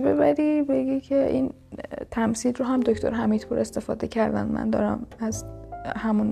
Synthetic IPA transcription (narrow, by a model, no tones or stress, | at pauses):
be̞̰bæɾibe̞ɡicʰe̞ʔḭn | t̪ʰæmsiːlɾoɦæmd̪okt̪ʰo̞̰ɾɦæmiːd̪pʰṵɾe̞st̪e̞fɒ̰ːd̪e̞cʰæɾd̪æ̰nd̪mæ̰nd̪ɒːɾæ̰mæzhæmun